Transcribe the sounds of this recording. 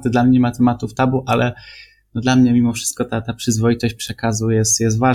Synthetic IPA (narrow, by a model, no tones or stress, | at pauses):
t̪ɘd̪lamɲeɲɛmat̪ɛmat̪uft̪abuʔalɛ | nɔd̪lamɲɛmʲimɔfʂɘ̥st̪kɔt̪at̪apʂɘzvɔjit̪ɔɕt͡ɕpʂɛkazujɛst̪jɛs̬t̪va